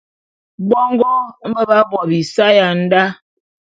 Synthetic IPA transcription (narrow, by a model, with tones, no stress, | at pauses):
ɡ͡bɔ˦ŋ˦ɡɔ˦mə˦ba˦bɔ˨bi˨sa˦ja˨n̩˦da˦